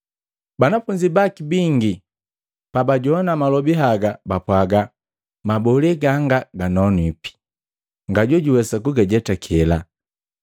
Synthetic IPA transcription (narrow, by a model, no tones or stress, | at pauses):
banafuɲd͡ʒibakibiŋɡi | pabaɟɔnamalɔbiɦaɡabapwaɡa | mabɔlɛɡaŋɡaɡanɔnipi̥ | ŋɡaɟɔɟuwɛsakuɡɛɟɛtakʰɛla